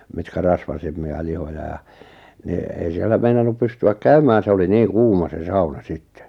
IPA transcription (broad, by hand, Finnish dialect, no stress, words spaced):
mitkæ rɑsʋɑsemːiɑ lihojɑ jɑ ni ei sielːæ meinɑnːup pystyæk kæymæːn se oli niːŋ kuːmɑ se sɑunɑ sitːe̥